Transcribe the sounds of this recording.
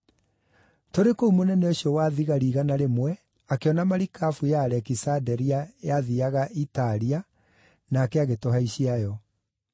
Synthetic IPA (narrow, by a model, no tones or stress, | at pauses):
toɾekoumonɛnɛoɕiɔwaːðiɣaɾiːɣanaɾemwɛ | akeɔnamaɾikafujaːɾɛkisadɛɾiajaðiaɣaʔitaɾia | naːkɛaɣetoɦaiɕiajɔ